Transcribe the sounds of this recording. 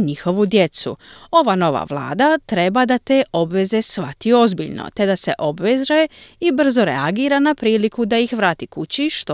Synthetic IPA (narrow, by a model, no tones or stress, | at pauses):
ɲixo̞ʋud̪je̞t̪sṵo̞ʋano̞ʋa̰ʋlˠa̰ːd̪at̪ɾe̞bad̪at̪e̞ːʔo̞bʋe̞ze̞sʋa̰t̪io̞zbḭʎno̰t̪e̞d̪ase̞̰ʔo̞bʋezɾaeibr̩zo̞ɾḛaɡiːɾanapɾiːlikud̪ajixʋɾaːt̪ikut͡ɕiʃt̪